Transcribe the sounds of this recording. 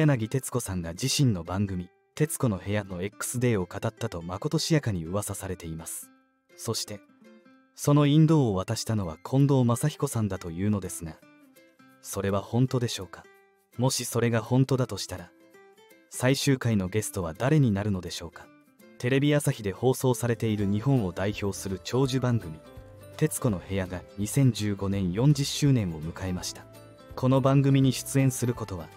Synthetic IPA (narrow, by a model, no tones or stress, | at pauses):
janaɡʲit̪e̞t͡sɨ̥ko̞sãŋɡad͡ʑiɕĩnːo̞bãŋɡɯ̟mʲi | t̪e̞t͡sɨ̥ko̞no̞he̞jano̞ekːɯ̥sɨd̪e̞ːo̞kat̪at̪ːat̪o̞mako̞t̪o̞ɕijakaɲ̟iɯ̟βasasaɾe̞t̪e̞imasɨ̥ | so̞ɕi̥t̪e̞ | so̞no̞ĩnd̪o̞ːβat̪aɕi̥t̪ano̞β̞a̰kʰõ̞nd̪o̞ːmasaçi̥ko̞sãnd̪at̪o̞jɯ̟ːno̞d̪e̞sɨɡa | so̞ɾe̞β̞ahõ̞nt̪o̞d̪e̞ɕo̞ːkḁ | mo̞ɕiso̞ɾe̞ɡahõ̞nt̪o̞d̪at̪o̞ɕi̥t̪aɾa | saiɕɨːkaino̞ɡe̞sɨ̥t̪o̞βad̪aɾe̞ɲ̟inaɾɯ̟no̞d̪e̞ɕo̞ːkḁ | t̪e̞ɾe̞bʲiasaçid̪e̞ho̞ːso̞ːsaɾe̞t̪e̞iɾɯ̟ɲ̟ihõ̞ɰ̃o̞d̪aiço̞ːsɨɾɯ̟t͡ɕo̞ːʑɨbãŋɡɯ̟mʲi | t̪e̞t͡sɨ̥ko̞no̞he̞jaɡaɲ̟isẽ̞ɲ̟d͡ʑɨːɡo̞nẽ̞ɰ̃jõ̞ɲ̟d͡ʑiɕːɨːnẽɰ̃o̞mɯ̟kae̞maɕi̥t̪ḁ | kʰo̞no̞bãŋɡɯ̟mʲiɲ̟iɕɨ̥t͡sɨẽ̞ɰ̃sɨɾɯ̟ko̞t̪o̞βa